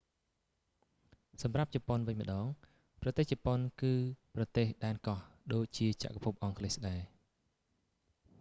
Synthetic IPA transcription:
sɑmrap̚t͡ɕɑponʋɨɲmə̆ɗɑːŋ | prɑt̪eːht͡ɕɑponkɨːprɑt̪eːhɗaɛnkɑhɗoːc̚t͡ɕiət͡ɕa̰ʔkapʰup̚ʔɑŋkʰlesɗaɛ

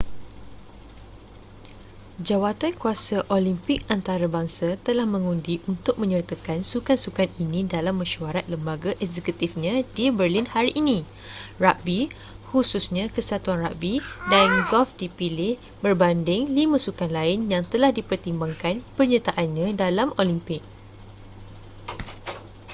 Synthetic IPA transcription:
d͡ʒawat̪ankuasaʔolimpɪk̚ant̪aɾabaŋsat̪əlahmə̃ŋundiʔunt̪ʊk̚mə̃ɲərt̪akansukansukaninĩdalamːə̃ʃuaɾat̪̚ləmbaɡaʔɛkzɛkut̪ifɲãdibərlinhaɾiʔːnĩ | raʔbi | hususɲãkəsat̪uanraʔbidanɡɔlfdipilɪh | bərbandɪŋlimãsukanlaɪnjaŋt̪əlahdipərt̪imbaŋkanpərɲãt̪aʔanɲãdalamolimpɪk̚

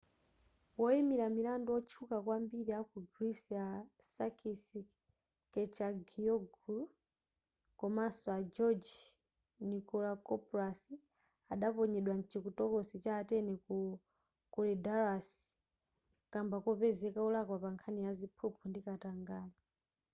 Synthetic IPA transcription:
wɔimiɾamilandɔɔt͡ʃʰukakwambiɾijakuɡɾisiasakʰisi | kɛt͡ʃaɡiɔɡu | kɔmasɔad͡ʒɔd͡ʒ | nikɔlakɔpɾasi | aɗapɔɲɛɗwan̩t͡ʃikutɔkɔsit͡ʃaːtɛnɛku | kɔlɛdaɾasi̥ | kambakɔpɛzɛkaulakwapaŋkʰanijazipʰupʰɔndikataŋɡaːna

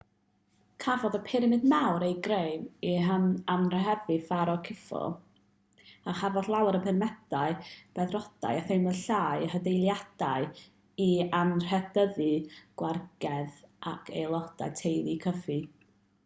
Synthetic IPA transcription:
kʰavɔðəpʰɪɾɪmɨdmawɾejɡrejviɦənanrəɦɛvɨfaɾɔkʰɪfɔ̰lˠ | aχavɔθlˠawɾəpʰɪnmɛd̥aɨb̥ɛðrɔd̥a̰jaθejməɬaːjhədejlˠjad̥aɨ | ianr̥ɛdəðiɡ̥warɡ̥ɛðʔakʰejlˠɔd̥a̰jtʰejlˠikʰəfi

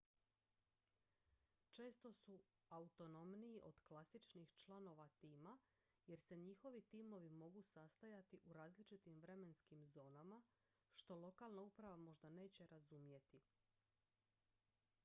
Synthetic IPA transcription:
t͡ʃe̞ːst̪o̞su | aut̪o̞no̞mnijiʔo̞d̪̥klasit͡ʃnixt͡ʃlˠano̞ʋat̪iːma | je̞ɾse̞ɲixo̞ʋit̪iːmo̞ʋimo̞ɡusast̪ajat̪iʔuɾaːzlit͡ʃit̪imʋɾe̞me̞nskimzo̞ːnama | ʃt̪o̞lˠo̞kaːlˠnaupɾaʋamo̞ʒd̪ane̞ːt͡ɕe̞ɾazumje̞t̪i

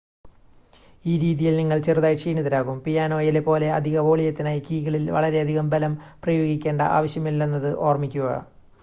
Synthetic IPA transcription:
iːɾiːðijilniŋːɐɭt͡ɕeruðaːjʂiːniðɐɾaːɣumpijaːno̞ːjile̞pːo̞ːle̞ɐ̰d̪ʱiɣɐʋo̞ːɭijɐt̪ːinaːjikiːɣɐɭilʋɐ̰ɭɐɾe̞ɐd̪ʱiɣɐmbɐlɐmprɐjo̞ːɡikʲːe̞ːɳɖɐ̰ʔa̰ːʋɐɕjɐmilːenːɐðɨʔo̞ːrmikʲːuɣɐ̰

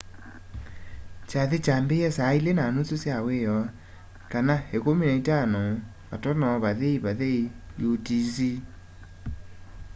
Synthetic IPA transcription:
t͡ʃaðet͡ʃambeɛsailenanososjaweɔ | kanahekominaitanɔ | βa̰tɔnɔβaðeiβaðeijotizi

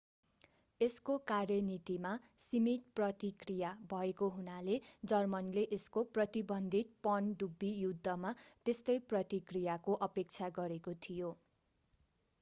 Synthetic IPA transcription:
eskokarjʌnit̪ima | simiʈ̚prʌt̪ikrijabʱʌekoɦunaled͡zʌrmʌnleʔeskoprʌt̪ibʌnd̪ʱit̪̚pʌnɖubːijud̪ʱːʌmat̪est̪ʌjprʌt̪ikrijakoʔʌpek̚t͡sʰaɡʌɾekot̪ʰijo

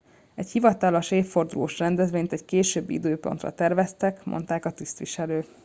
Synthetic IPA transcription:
ɛchivɒt̪ɒlo̞ʃeːffo̞rd̪ulo̰ːʃrɛnd̪ɛzʋeːɲt̪ɛɟkeːʃøːbːḭd̪øːpo̞̰nt̪rɒ̰t̪ɛrvɛst̪ɛkmʔo̞̰nt̪aːkɒt̪ist̪ʋiʃɛløːk

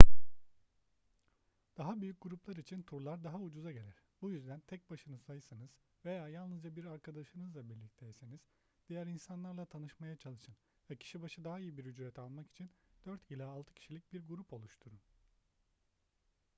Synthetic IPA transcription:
d̪̥aɦabyjyc̚ɡ̥uɾuplˠaɾit͡ʃʰint̪ʰuɾlˠaɾd̪aɦaud͡ʒuzaɟelʲæɾ̥bujyzd̪ænt̪ʰɛc̚baʃɯnɯsajɯsanɯz̥ | ve̞jaːjalˠnɯzd͡ʒabiɾaɾkʰad̪aʃɯnɯzlˠabiɾlʲic̚t̪ʰejseniz̥ | d̪̥ijæɾinsanlˠaɾlˠat̪ʰanɯʃmajat͡ʃʰalˠɯʃɯn | vɛcʰi̥ʃibaʃɯd̪aɦaijɯbiɾyd͡ʒɾɛt̪ʰalˠmaki̥t͡ʃʰind̪̥øɾt̪ilʲaːlˠt̪ʰɯ̥cʰi̥ʃilʲic̚biɾɡuɾupʰo̞lˠuʃt̪ʰuɾu

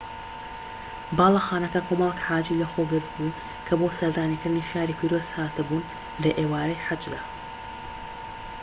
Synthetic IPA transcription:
bɑːlˠɐxaːnɐkɐkʰoːmɐlˠɛkħaːd͡ʒiːlɐxoɡɨɾt̪bu | kʰɐboːsɐɾd̪aːnikɨɾd̪ɨniʃaːɾipʰiːɾoːz̥haːt̪ɨbuːn | lɐʔeːwaːɾɐjħad͡ʒd̪aː

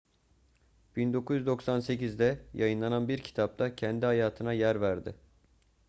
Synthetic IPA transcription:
b̥ind̪o̞kʰuzyd̪o̞ksanse̞cizd̪ɛjajɯnlˠananbiɾcʰi̥t̪ʰap̚t̪ʰacʰɛnd̪iɦajaːt̪ʰɯnajæɾvæɾd̪ɪ

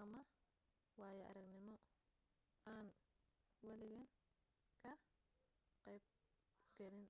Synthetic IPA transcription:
ʔɐmɐ | wɑːjɛʔɐ̰ɾɐɡnɪmɔ | aːn | wɐlɪɣɐn | kʰɐ | qɛjb̚ | ɡɐlɪn

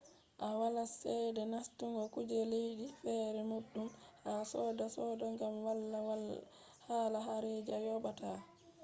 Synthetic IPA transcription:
ʔawalasɛjdɛnastuŋɡɔkud͡ʒɛlejdifɛːɾɛmuɗːumhasɔːdasɔdaŋɡamwalːa | haːlaɦaɾed͡ʒajɔɓata

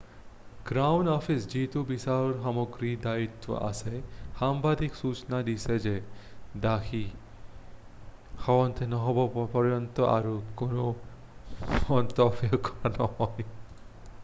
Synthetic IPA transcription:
ɡ̥ɾawnɔfisd͡ʑit̪ubisaɾɔɾɦamoɡɾid̪ait̪ːo̰ʔa̰sehambad̪iksut͡ʃnad̪isʰed͡ʑed̪akʰi | hɔwɔnt̪ʰenɔɦɔbɔpɔɾɔnt̪oa̰ɾokono | ɔnt̪ɔbjokɔɾanɔɦɔj

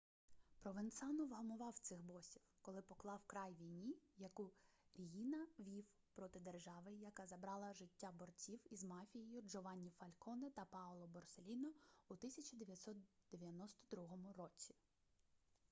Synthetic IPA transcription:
pɾɔʋent̪sɑnɔʋɦɔlˠmʊʋɑwt̪sɪxbɔsʲiwkɔlˠɪpɔklˠɑwkɾɑjʋʲijnʲijɐkuɾʲijinɐʋʲiw | pɾɔt̪ɪd̪erʒɑʋɪjɐkɑzɐbɾɑlˠɐʒɪtʲːabɔrt͡sʲiwizmɑfʲijijʊd͡ʒɔʋɑnʲːifɐlʲkʰɔnɐt̪ɐpɑɔlˠɔbɔrselʲinɔut̪ɪsʲɐt͡ʃɐd̪eʋʲjɐt̪ʲsɔt̪d̪̥eʋʲjɐnɔst̪ɔ̥d̪ɾuɦɔmʊrɔt͡sʲi̥

